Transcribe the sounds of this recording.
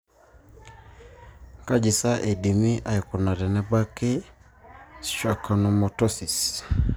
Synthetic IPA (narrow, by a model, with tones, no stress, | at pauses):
ka˦d͡ʒi˨sa˦ʔe˨di˨mi˦ʔa˨i˨kɔ˨na˨ɾɛ˨nɛ˦ba˦ke˦ | sʃwa˨ka˨no˨mo˨tɔ˦si˨s